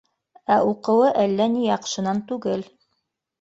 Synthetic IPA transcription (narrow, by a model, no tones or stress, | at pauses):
æuqɤ̆wɤʔælːænijɑqʃɤ̆nɑnt̪ʉɡɘl